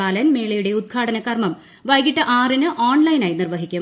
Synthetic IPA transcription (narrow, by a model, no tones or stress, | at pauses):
aːlɐnme̞ːɭɐjuɽe̞ud̪̚ɡʰaːʈɐnɐkːɐrmɐm | ʋɐjɡiʈːɐʔaːrinɨʔoːɳlɐjnaːjnirʋɐɦikʲːu